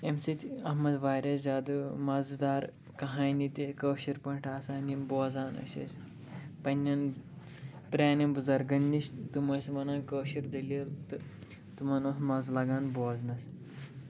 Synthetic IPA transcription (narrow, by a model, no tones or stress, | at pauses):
emsit̪ʲɐɦmɐd̪ʋaːɾʲɐszʲaːd̪ɨmɐzd̪aːɾ | kɐɦaːjnit̪ekəːʃiɾpɐɳʈʰaːsaːniboːd͡zaːnɐ̰ʃɐ̰s | pɐnʲːɐn | pɾʲaːnibuzɐɾɡɐnʲːiʃt̪umɐsmɐnaːkəːʃiɾd̪ɐlilt̪ɨ | t̪umɐnoːsmɐzlɐɡãːnboːznɐs